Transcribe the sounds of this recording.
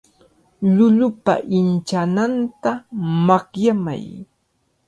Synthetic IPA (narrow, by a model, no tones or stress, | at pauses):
lʊlʊpa̰ʔɪnt͡ʃanant̪amaχjama̰j